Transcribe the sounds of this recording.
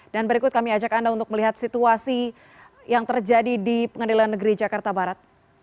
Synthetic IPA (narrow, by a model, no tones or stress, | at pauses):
d̥anbəɾikʊt̪̚kamiad͡ʒakandaunt̪ʊk̚məliɦat̪̚sit̪uasi | jaŋt̪ərd͡ʒadidipəŋəndelanːəɡɾid͡ʒakart̪abaɾat̪̚